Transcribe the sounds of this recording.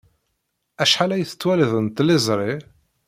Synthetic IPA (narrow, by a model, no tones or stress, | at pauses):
æʃħalæjθə̥t͡sːwæliðˤənt̪lɪzˤɾˤi